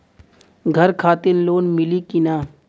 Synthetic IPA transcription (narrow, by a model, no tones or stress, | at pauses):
ɡʱɐɾkʰaːt̪ɪnloːnmɪlikinaː